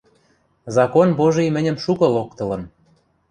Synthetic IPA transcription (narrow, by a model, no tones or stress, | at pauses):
zɑkonboʒijmɘ̆nʲə̆mʃukɤ̆lok̚t̪ɤ̆lɤ̆n